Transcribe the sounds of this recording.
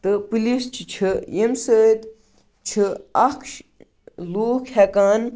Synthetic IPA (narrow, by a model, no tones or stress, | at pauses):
t̪ɨpɨlist͡ʃʰit͡ʃʰɨjemsəːt̪ | t͡ʃʰɨɐkʰʃ | luːkʰhɛkaːn